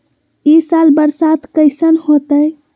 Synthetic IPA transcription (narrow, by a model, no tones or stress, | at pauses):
isalbəɾsat̪kəɪsənhot̪əj